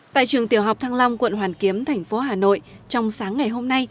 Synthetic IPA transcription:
t̪a̰ː˧˨jt͡ɕɨ˨˩əŋt̪i˧˩əwɦa˨˩wk͡p̚t̪ʰaː˧ŋla˧wŋ͡mkwə̰˧˨nɦwaː˨˩nki˨˦əmt̪ʰɛ˨˩jŋ̟fo˨˦ɦaː˨˩no̰˧˨jt͡ɕɔ˧wŋ͡msaː˨˦ŋːa˨˩jɦo˧mna˧j

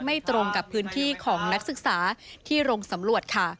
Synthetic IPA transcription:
ma˥˩jt̪ɾo˧ŋka˨˩pʰːɯː˦˥nt̪ʰiː˥˩kʰɔː˩˦ŋna˦˥k̚sɯ˨˩k̚saː˩˦t̪ʰiː˥˩ɾo˧ŋsa˩˦mɾu˨˩ət̪̚kʰa˥˩

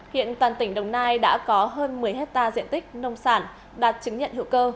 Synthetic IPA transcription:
hḭ˧˨ənt̪waː˨˩nt̪ï˧˩ŋ̟ɗə˨˩wŋ͡mnaː˧jɗa̰ː˧˥kɔ˨˦ɦəː˧nmɨ˨˩əjɦe˦˥t̚t̪aː˧zḭ˧˨ənt̪ï˦˥k̚nə˧wŋ͡msaː˧˩n | ɗaː˨˩t̚t͡ɕɨ˨˦ŋɲə̰˧˨nhḭ˧˨wkəː˧

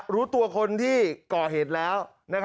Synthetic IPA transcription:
ɾuː˦˥t̪u˧ɐkʰo˧nt̪ʰiː˥˩kɔː˨˩ɦeː˨˩t̪̚lɛː˦˥w | na˦˥kʰ

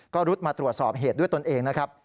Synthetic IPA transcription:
kɔː˥˩ɾu˦˥t̪̚maː˧t̪ɾu˨˩ət̪̚sɔː˨˩p̚ɦeː˨˩t̪̚du˥˩jt̪o˧nʔeː˧ŋna˦˥kʰɾa˦˥p̚

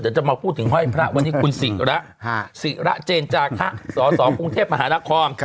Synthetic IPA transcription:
t͡ɕa˨˩ʔmaː˧pʰuː˥˩t̪ʰːɯ˩˦ŋɦɔ˥˩jpʰɾa˦˥ʔwa˧nːiː˦˥kʰu˧nsi˨˩ɾa˦˥ʔ | si˨˩ɾa̰˦˥ʔt͡ɕeː˧nt͡ɕaː˧kʰa˦˥ʔsɔː˩˦sɔː˩˦ku˧ŋt̪ʰeː˥˩p̚ma˧ɦaː˩˦na˧˩kʰɔː˧n

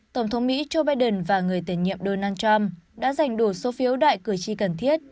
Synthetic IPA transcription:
t̪ə˧˩wŋ͡mt̪ʰə˨˦wŋ͡mmḭ˧˥t͡ɕo˧ɓaː˧jɗə˨˩nvaː˨˩ŋɨ˨˩əjt̪i˧˩nɲḭ˧˨əmɗo˧naː˧nt͡ɕa˧mɗa̰ː˧˥za˨˩jŋ̟ɗu˧˩so˨˦fi˨˦əwɗa̰ː˧˨jkɨ˧˩əjt͡ɕi˧kə˨˩nt̪ʰi˦˥ət̚

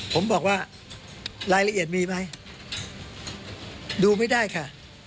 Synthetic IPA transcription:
pʰo˩˦mbɔː˨˩k̚waː˥˩ | ɾaː˧jla˧ʔi˨˩ət̪̚miː˧ma˦˥j | duː˧ma˥˩jdaː˥˩jkʰa˥˩

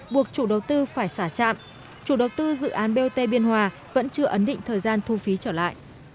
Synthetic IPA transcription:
ɓu˨˩ək̚t͡ɕu˧˩ɗə˨˦wt̪ɨ˧faː˧˩jsaː˧˩t͡ɕa̰ː˧˨m | t͡ɕu˧˩ɗə˨˩˦wt̪ɨ˧zɨ̰˧˨ʔaː˨˦nɓe˧t̪e˧ɓi˧ənɦwaː˨˧ | və̰˧˥nt͡ɕɨ˧əʔə˨˦nɗḭ̈˧˨ŋ̟t̪ʰəː˨˩jzaː˧nt̪ʰu˧fi˨˦t͡ɕəː˧˩la̰ː˧˨jʔ

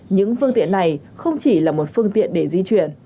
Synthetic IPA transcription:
ɲɨ̰˧˥ŋfɨ˧əŋt̪ḭ˧˨ənːa˨˩j | xə˧wŋ͡mt͡ɕi˧˩laː˨˩mo˨˩t̚fɨ˧əŋt̪ḭ˧˨ənɗe˧˩zi˧t͡ɕwi˧˩ən

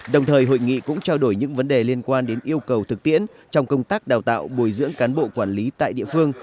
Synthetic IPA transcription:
ɗə˨˩wŋ͡mt̪ʰəː˨˩jɦo̰˧˨jŋḭ˧˨kʊ̰˧˥ŋ͡mt͡ɕa˧wɗo˧˩jɲɨ̰˧˥ŋvə˨˦nɗe˨˩li˧ənkwaː˧nɗe˨˦nʔi˧əwkə˨˩wt̪ʰɨ˨˩k̚t̪ḭ˧˥ən | t͡ɕɔ˧wŋ͡mkə˧wŋ͡mt̪aː˦˥k̚ɗaː˨˩wt̪a̰ː˧˨wɓu˨˩jzɨ̰˧˥əŋkaː˨˦nɓo̰˧˨kwaː˧˩nli˨˦t̪a̰ː˧˨jɗḭ˧˨əfɨ˧əŋ

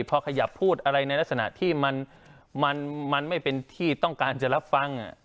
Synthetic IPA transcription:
pʰɔ˧kʰa˧ja˨˩pʰːuː˥˩t̪̚ʔa˧ɾa˧jna˧jla˦˥k̚sa˧na̰˨˩ʔt̪ʰiː˥˩ma˧n | ma˧nma˧nma˥˩jpe˧nt̪ʰiː˥˩t̪ɔ˥˩ŋkaː˧nt͡ɕa˨˩ʔɾa˦˥p̚fa˧ŋʔa̰˨˩ʔ

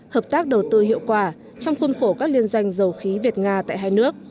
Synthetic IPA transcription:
həː˨˩p̚t̪aː˦˥k̚ɗə˨˩wt̪ɨ˧hḭ˧˨əwkwaː˧˩ | t͡ɕɔ˧wŋ͡mxu˧nxo˧˩kaː˦˥k̚li˧ənzwa˧jŋ̟zə˨˩wxi˨˦vi˨˩t̚ŋaː˧t̪a̰ː˧˨jɦaː˧jnɨ˦˥ək̚

